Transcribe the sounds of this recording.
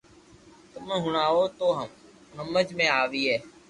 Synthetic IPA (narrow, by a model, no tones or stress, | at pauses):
t̪əmə̃ːɦʊɳaːoːt̪oːɦəm | ɦəməd͡ʒmẽːaːʋiːɦɛː